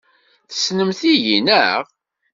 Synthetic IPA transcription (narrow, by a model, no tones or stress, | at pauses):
θə̥snəmθiʝinəʁ